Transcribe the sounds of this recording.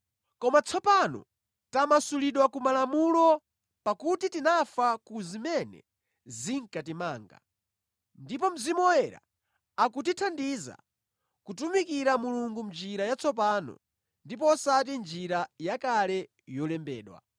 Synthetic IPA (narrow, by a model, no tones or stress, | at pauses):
kɔmat͡sʰɔpanɔ̰ | tamasuliɗwakumalamulɔ | pakutitinafakuzimɛnɛ̰ | ziŋkatimaːŋɡa̰ | ndipɔm̩zimɔwɛɾa̰ | akutitʰandiza̰ | kutumikiɾamuluŋɡumd͡ʒiɾajat͡sʰɔp̬aːnɔ̰ | ndip̬ɔsat̬ind͡ʒiɾajakalɛ | jɔlɛmbɛ̰ːɗwa̰